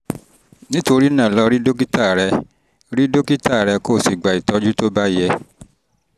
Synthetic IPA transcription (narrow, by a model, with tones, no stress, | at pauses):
nĩ˦to˧ɾi˦nã˦˨lɔ˧ɾi˦do˦k̬i˦ta˦˨ɾɛ˧ | ɾi˦do˦ki˦ta˦˨ɾɛ˧koː˦˨si˨ɡ͡ba˨i˨tɔ˧d͡ʒu˦to˦ba˦jɛ˧